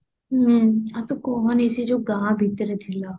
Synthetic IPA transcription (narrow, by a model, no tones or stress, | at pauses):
ɦat̪okɔɦɔnesid͡ʒoːɡãːbʱit̪ɾɛt̪ʰilaː